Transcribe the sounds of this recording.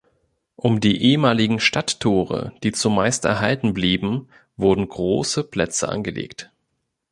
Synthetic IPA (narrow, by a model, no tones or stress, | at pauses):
ʔʊmdiːʔeːəmaːlɪɡŋ̩ʃtatʰːoːʁ̞ə̰d̥iːt͡sumaɪstʔɛ̰ɐɦaltn̩bliːbm̩ | vʊɐdn̩ɡʁoːsəpl̥ɛt͡sə̰ʔa̰nɡəlḛːkt